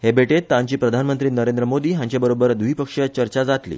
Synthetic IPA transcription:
ɦebeʈet̪ːãɲt͡ɕiːpɾəd̪ʱanmənt̪ɾiːnəɾend̪ɾəmod̪iːɦjãɲt͡ɕjabəɾobəɾd̪uɦiːpəkʂat͡ɕəɾt͡ɕad͡zat̪lḭː

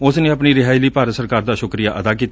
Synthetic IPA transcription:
ʊsnẽːəpniːɾɪɦaːiliːpaːɾət̪səɾkaːɾd̪aːʃʊkɾijaːʔəd̪aːk̬iːt̪ː

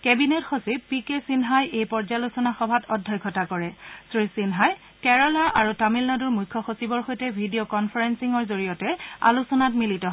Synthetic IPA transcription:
kɛbinetxosibpikesinɦajejpɔɹzalusɔnaxɔbʱatɔdʱːɔjkʰɔtakɔɹɛsɹisinɦaj | kɛɹɔlaʔaɹutamilnaduɹmujkʰːɔxosibɔɹxojtɛbʱidiokɔnpʰaɹɛnsiŋɔɹzoɹijɔtɛa̰lusɔnatmilitɔɦ

